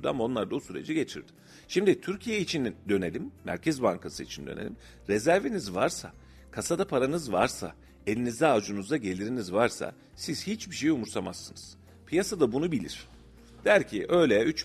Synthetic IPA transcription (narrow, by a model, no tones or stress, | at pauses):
ɾd̪ua̰mao̞nlˠaɾd̪abusyɾe̞̰d͡ʒiɟe̞t͡ʃʰḭɾd̪ɪ | ʃimd̪it̪ʰyɾcʰijeit͡ʃʰind̪ø̞ne̞lʲimːæ̰ɾcʰɛzbaŋkʰasɯit͡ʃʰind̪ønelʲim | ɾɛzæɾvenizvaɾsa̰ | kʰasad̪apʰaɾanɯzvaɾsa̰ | e̞lʲinizd̪ɛaːd͡ʒunuzd̪aɟe̞lʲiɾinizvaɾsa̰ | siz̥hit͡ʃbiʃejumuɾt̪ʰamasːɯnɯz̥ | pʰijasad̪abunubilʲḭɾ̝̥ | d̪̥æɾcʰiʔø̞jlʲɛyt͡ʃ